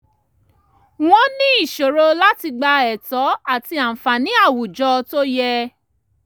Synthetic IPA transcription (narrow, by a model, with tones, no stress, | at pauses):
w̃ɔ̃˦nĩ˦i˦˨ʃo˨ɾo˧la˦ti˧ɡ͡ba˧ɛ˨tɔ˨˦a˦˨ti˧a˨m̩˨fa˨nĩ˨˦a˦˨wu˨d͡ʒɔ˧to˦jɛ˧